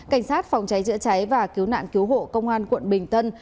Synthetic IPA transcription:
ka˧˩jŋ̟saː˦˥t̚fa˨˩wŋ͡mt͡ɕa˨˦jzɨ̰˧˥ət͡ɕa˨˦jvaː˨˩ki˨˦əwna̰ː˧˨nki˨˦wɦo̰˧˨kə˧wŋ͡mʔaː˧nkwə̰˧˨nɓï˨˩ŋ̟t̪ə˧n

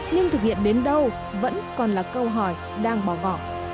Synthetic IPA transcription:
ɲɨ˧ŋt̪ɨ˨˩k̚hḭ˧˨ənɗe˨˦nɗə˧w | və̰˧˥nkɔ˨˩nlaː˨˩kə˧wɦɔ˨˩j | ɗaː˧ŋɓɔ˧˩ɣɔ̰˧˨ʔ

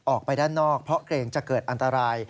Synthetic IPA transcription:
ʔɔː˨˩k̚pa˧jdaː˥˩nːɔː˥˩k̚pʰɾɔ˦˥kʰɾeː˧ŋt͡ɕa˨˩kɤː˨˩t̪̚ʔa˧nt̪a˧ɾaː˧j

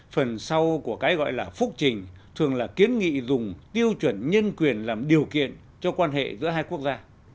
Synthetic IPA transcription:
fə˨˩nsa˧wku˧˩əkaː˨˦jɣɔ̰˧˨jlaː˨˩fʊ˦˥k̚t͡ɕï˨˩ŋ̟ | t̪ʰɨ˨˩əŋlaː˨˩ki˨˦ənŋḭ˧˨zʊ˨˩ŋ͡mt̪i˧əwt͡ɕwə˧˩nɲə˧nkwi˨˩ənlaː˨˩mɗi˨˩əwkḭ˧˨ən | t͡ɕɔ˧kwaː˧nɦḛ˧˨zɨ̰˧˥əɦaː˧jku˦˥ək̚zaː˧

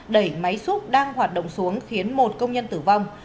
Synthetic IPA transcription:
ɗə˧˩jma˨˦jsu˦˥t̚ɗaː˧ŋɦwaː˨˩t̚ɗo̰˧˨wŋ͡msu˨˦əŋxi˨˦ənmo˨˩t̚kə˧wŋ͡mɲə˧nt̪ɨ˧˩va˧wŋ͡m

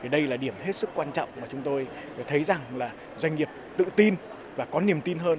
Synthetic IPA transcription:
i˨˩ɗə˧jlaː˨˩ɗi˧˩əmhe˦˥t̚sɨ˦˥kːwaː˧nt͡ɕɔ̰˧˨wŋ͡mmaː˨˩t͡ɕʊ˨˦ŋ͡mt̪o˧j | t̪ʰə˨˦jza˨˩ŋlaː˨˩ | zwa˧ŋŋi˨˩əp̚t̪ɨ̰˧˨t̪i˧n | vaː˨˩kɔ˨˦ni˨˩əmt̪i˧nɦəː˧n

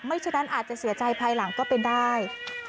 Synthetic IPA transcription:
ma˥˩jt͡ɕʰːnːa˦˥nʔaː˨˩t̪̚t͡ɕa˨˩ʔsi˨˩˦t͡ɕa˧jpʰaː˧jla˩˦ŋkɔː˥˩pe˧ndaː˥˩j

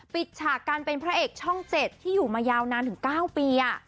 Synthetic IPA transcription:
pi˨˩t̪̚t͡ɕʰaː˨˩kːaː˧npe˧npʰɾa˦˥ʔeː˨˩k̚t͡ɕʰɔ˥˩ŋt͡ɕe˨˩t̪ʰːiː˥˩juː˨˩maː˧jaː˧wnaː˧nt̪ʰɯ˩˦ŋkaː˥˩wpiː˧ka˧˥˩

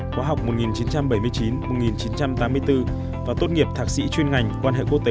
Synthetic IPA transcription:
xwaː˨˦ɦa˨˩wk͡p̚mo˨˩t̚ŋi˨˩nt͡ɕi˨˦nt͡ɕa˧mɓə˧˩jmɨ˧əjt͡ɕi˨˦nmo˨˩t̚ŋi˨˩nt͡ɕi˨˦nt͡ɕa˧mt̪aː˨˦mːɨ˧əjt̪ɨ˧ | vaː˨˩t̪o˦˥t̚ŋi˨˩əp̚t̪ʰaː˧˩k̚sḭ˧˥t͡ɕwi˧nŋa˨˩jŋ̟kwaː˧nɦḛ˧˨ku˦˥ək̚t̪ː

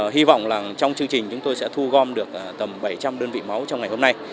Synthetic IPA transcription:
ɦi˧vɔ̰˧˨wŋ͡mlaː˨˩t͡ɕɔ˧wŋ͡mt͡ɕɨ˧ŋt͡ɕï̟˨˩t͡ɕʊ˨˦ŋ͡mt̪o˧jsɛ̰˧˥t̪ʰu˧ɣɔ˧mɗɨ˨˩ək̚ːt̪ə˨˩mɓa˧˩jt͡ɕa˧mɗəː˧nvḭ˧˨ma˨˦wt͡ɕɔ˧wŋ͡mŋa˨˩jho˧mna˧j

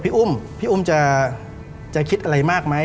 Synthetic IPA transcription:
pʰiː˦˥˩ʔu˥˩mpʰiː˥ʔu˥˩mt͡ɕa˨˩ | t͡ɕa˨˩kʰi˦˥t̪̚ʔa˧ɾa˧jmaː˥˩k̚ma˦˥

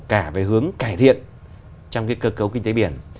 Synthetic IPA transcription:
kaː˧˩ve˨˩ɦɨ˨˦əŋkaː˧˩jt̪ʰḭ˧˨ən | t͡ɕɔ˧wŋ͡mkaː˨˦jkəː˧kə˨˦wki˧ŋ̟t̪e˨˦ɓi˧˩ən

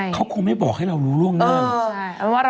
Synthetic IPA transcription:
kʰa˦˥wkʰu˧ŋma˥˩jbɔː˨˩k̚ha˥˩jɾa˧wɾuː˦˥ɾu˥˩əŋnaː˥˩˧ŋ˧

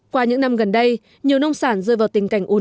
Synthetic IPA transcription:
kwaː˧ɲɨ̰˧˥ŋna˧mɣə˨˩nɗə˧j | ɲi˨˩əwnə˧wŋ͡msaː˧˩nzɨ˧˩jvaː˨˩wt̪ï˨˩ŋ̟ka˧˩jŋ̟ʔu˨˦

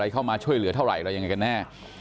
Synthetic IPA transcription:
a˧jkʰa˥˩wmaː˧t͡ɕʰu˥˩əjlɯ˩˦t̪ʰa˥˩wɾa̰˨˩jɾa˧ja˧ŋa˧jka˧nːɛː˥˩

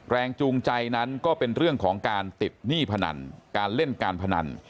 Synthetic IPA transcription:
ɾɛː˧ŋt͡ɕuː˧ŋt͡ɕa˧jna˦˥nkɔː˥˩pe˧nɾɯ˥˩əŋkʰɔː˩˦ŋkaː˧nt̪i˨˩t̪̚niː˥˩pʰa˧na̰˧nkaː˧nle˥˩nkaː˧npʰa˧na̰˧n

